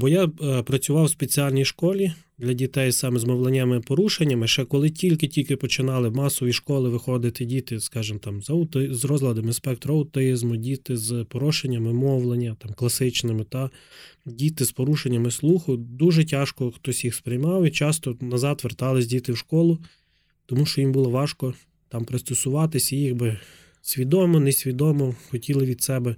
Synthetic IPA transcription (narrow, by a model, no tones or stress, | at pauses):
bɔjapɾɐt͡sʲʊʋɑwspet͡sʲiɑlʲnʲijʃkɔlʲi | d̪lʲɐdʲit̪ɛj̪sɑmɛzmɔwlˠenʲamɪpɔɾuʃenʲːɐmɪʃt͡ʃɛkɔlˠɪtʲilʲkɪtʲilʲkɪpɔt͡ʃɪnɑlˠɪmɑsɔʋʲiʃkɔlˠɪʋɪxɔd̪ɪt̪ɪdʲit̪ɪskɑʒɪmt̪ɑmzɐʊt̪ɪzrɔzlˠɐd̪ɐmɪnspɛk̚t̪ɾɔɐwt̪ɪzmʊdʲit̪ɪzpɔɾɔʃenʲːɐmɪmɔʋlˠenʲːɐt̪ɑmklˠɐsɪt͡ʃnɪmɪt̪ɐdʲit̪ɪspɔɾuʃenʲːɐmɪslˠuxʊd̪uʒɛtʲɑʃkɔxt̪ɔsʲjixspɾɪjmɑwit͡ʃɑst̪ɔnɐzɑt̪ʋert̪ɑlˠɪsʲdʲit̪ɪwʃkɔlˠʊ | t̪ɔmuʃt͡ʃɔjimbulˠɔʋɑʃkɔ | t̪ɑmpɾɪst̪ɔsʊʋɑt̪ɪsʲijiɣbɪ | sʲʋʲid̪ɔmɔnesʲʋʲid̪ɔmɔxɔtʲilˠɪʋʲid̪sɛbɛ